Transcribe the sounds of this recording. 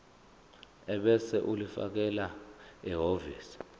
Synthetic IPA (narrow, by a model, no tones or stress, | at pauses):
ɛɓɛsɛʔulifa̰k̬ɛlaɛɦovḭːsi̥